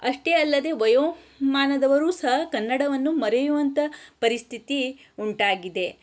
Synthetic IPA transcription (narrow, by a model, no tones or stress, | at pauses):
ɐʂʈe̞ɐlːɐd̪e̞ʋɐjoː | maːnɐd̪ɐʋɐɾuːsɐɦɐkɐnːɐɽɐʋɐnːumɐɾejuʋɐnt̪ɐpɐɾist̪ʰit̪i | uɳʈaːɡid̪e̞